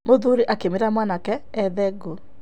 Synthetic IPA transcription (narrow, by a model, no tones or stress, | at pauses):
moðuɾiʔakemeɾamwanakɛːðɛɡo